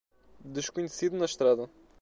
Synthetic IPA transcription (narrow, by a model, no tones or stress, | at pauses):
d̪ɨʃkuɲsiðunɐʃt̪ɾaðɐ